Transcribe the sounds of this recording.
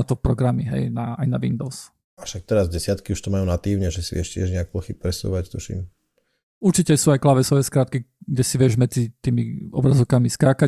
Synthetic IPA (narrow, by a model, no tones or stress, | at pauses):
at̪ɔpɾɔɡɾamiɦɛ̰jnaa̰jnaʋḭnd̪ɔʊs | ʔafʃak̚t̪ɛɾazɟɛsɪat̪kiuʃt̪ɔmajuːnat̪iːʊɲɛʒɛsiʋɪɛ̰ʃcɪɛʒɲɛak̚ɔxip̚pɾɛsṵːʋact̪uʃḭm | uɾt͡ʃicɛsuːajklaʋɛsɔʋɛskɾaːt̪̚kiɡɟɛsiʋɪɛʒmɛd͡zit̪iːmiɔ̰bɾazɔʊkamiskɾaka